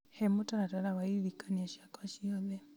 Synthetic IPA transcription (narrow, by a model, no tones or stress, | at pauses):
hɛmutaɾataɾawaiβikaniaʃakaʃiɔðɛ